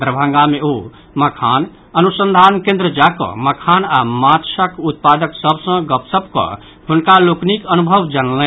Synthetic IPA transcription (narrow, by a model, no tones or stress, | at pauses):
d̪ɾəbʱə̃ŋɡameo | məkʰan | ənusənd̪ʱankẽnd̪ɾəd͡ʒakɔ̰məkʰanamat̪səkut̪̚pad̪əksəbʱsə̃ɡəpsəbkə̰ | ɦunkaloknikənubʱəʋd͡ʒanəlɛ̃